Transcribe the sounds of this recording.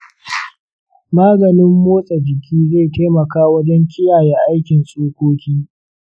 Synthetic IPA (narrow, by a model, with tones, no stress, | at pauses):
maː˦ɡɐ˨nɪ˦mːoː˦sʼɐ˨d͡ʒɪ˨kʲʰiː˦ze˦˨ta˦mɐ˨kaː˦wɐ˦d͡ʒɛ˦ŋkʲɪ˦jaː˨je˦ʔa˦jkʲɪ˨nsʼoː˦kʷoː˦kʲiː˦